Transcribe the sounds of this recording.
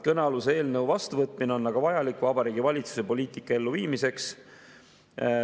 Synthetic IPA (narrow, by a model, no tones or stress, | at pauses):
kɤnɑlusee̞ːlnəwvɑst̪uvɤt̪ˑmineo̞nːɑɡ̥ɑvɑjɑlikvɑbɑɾiːɡ̥ivɑlʲit̪su̥se̞po̞lʲiːt̪ikːˑɑe̞lːuviːmise̞ks